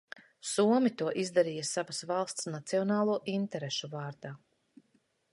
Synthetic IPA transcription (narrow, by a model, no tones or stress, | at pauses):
suɔmit̪uɔʔizd̪aɾiːjɐsavasvalˠst̪snat̪siɔnaːlˠuɔʔint̪ɛɾeʃuvaːɾd̪aː